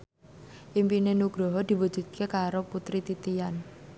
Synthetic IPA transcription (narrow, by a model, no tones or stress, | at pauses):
ʔimpinenuɡ̥ɾɔɦɔd̪̥i̤wu̥ʒ̥ṳd̪̥̚kʰekaɾoput̪ɾit̪it̪ian